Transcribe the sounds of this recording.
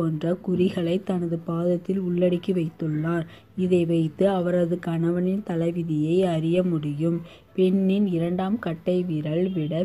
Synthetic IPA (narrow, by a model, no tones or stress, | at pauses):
oːndrɐkʊrɪɣɐɭɐɪt̪ːɐnɐðɯpaːðɐt̪ːɪlʊɭːɐɽɪkːiʋɐɪt̪ːɯɭːaːɾ | ɪðɐɪʋɐɪt̪ːɯɐʋɐɾɐðɯkɐɳɐʋɐnɪnt̪ɐlɐʋɪðɪjɐɪɐɾɪjɐmʊɽɪjɯm | pɛnːɪnɪɾɐɳɖaːmkɐʈːɐɪʋiːɾɐɭʋɪɽɐ